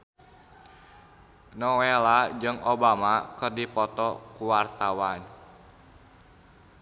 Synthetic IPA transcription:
nɔwelad͡ʒɨŋobamakɨrdipɔt̪ɔkuwart̪awan

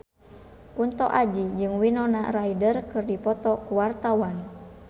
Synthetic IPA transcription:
kunt̪ɔʔad͡ʒid͡ʒɨŋwinɔna̰raidərkɨrdipɔt̪ɔkuwart̪awan

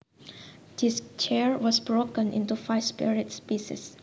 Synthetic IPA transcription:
dist͡ʃɛɹwɔsbɹokə̃nʔḭ̃ntufaɪspiɹiətspisḭs

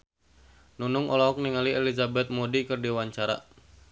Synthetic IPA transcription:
nunʊŋʔɔlaɔk̚niŋaliɛlizabɛt̪̚modikɨrdiwaɲt͡ʃaɾa̰

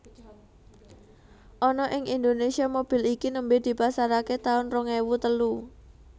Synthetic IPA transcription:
ʔɔnɔʔɪŋʔind̪onesiamob̥i̤likinəmbed̪̥i̤pasaɾaket̪aʊnrɔŋewut̪əlu

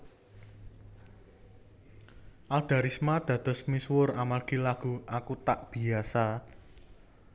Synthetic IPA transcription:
ʔald̪̥a̤ɾismad̪̥ä̤d̪̥ɔ̤smiswʊɾamarɡ̥ilaɡ̥ṳʔakut̪aʔb̥i̤asa

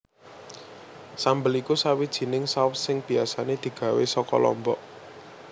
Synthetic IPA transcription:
sambəlikusawid̥ʒ̥i̤nɪŋsaʊsɪŋb̥i̤asaned̪̥i̤ɡ̥ä̤wesɔkɔ̰lɔ̰mbɔ̰ʔ

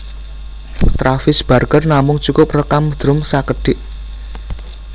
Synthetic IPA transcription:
t̪ɾafɪsb̥a̤rkərnamʊŋt͡ʃukʊprəkamd̪̥ɾʊmsakəɖ̥ɪʔ

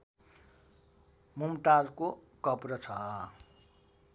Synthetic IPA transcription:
mumʈad͡zkokʌprʌt͡sʰʌ

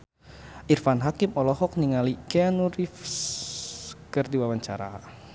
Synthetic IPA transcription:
ʔirfanɦakimɔlɔɦɔk̚niŋalikɛanuɾif | kərdiwawaɲt͡ʃa̰ɾa̰

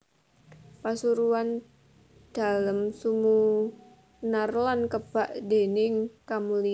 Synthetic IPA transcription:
pasuɾuan | d̪̥a̤ləmsumu | narlankəb̥aʔd̥enɪŋkamuli

